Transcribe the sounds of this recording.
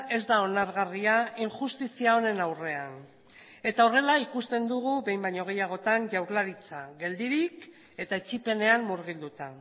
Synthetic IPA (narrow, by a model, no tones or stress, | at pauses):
e̞zd̪ao̞naɾɣariaiŋʝust̪isiao̞ne̞nawre̞an | e̞t̪ao̞re̞laikust̪e̞nd̪uɣ̞uβe̞jmbajɲo̞ɣ̞e̞jaɣ̞o̞t̪anʝawɾlaɾit͡saɣe̞ld̪iɾik | e̞t̪aet͡ʃipe̞ne̞ammuɾɣ̞ild̪ut̪a